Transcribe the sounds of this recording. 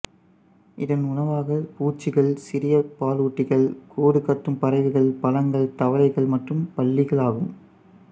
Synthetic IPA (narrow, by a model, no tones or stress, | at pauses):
ɪðɐnʊnɐʋaːɣɐpuːt͡ʃːɪɣɐɭsɪɾɪjɐpaːluːʈːɪɣɐɭkʰoːɾɯkːɐt̪ːɯmpɐɾɐɪʋɯɣɐɭpɐlɐŋɡɐɭt̪ɐʋɐlɐɪɣɐɭmɐʈrɯmpɐɭːɪɣɐɭaːɣɯm